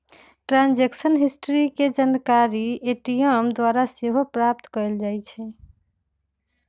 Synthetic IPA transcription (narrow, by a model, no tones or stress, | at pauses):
ʈɾãnd͡ʒeksənɦisʈɾiked͡ʒankaɾieʈijəmd̪waɾaseɦopɾap̚t̪kɔeld͡ʒajt͡ʃʰɛ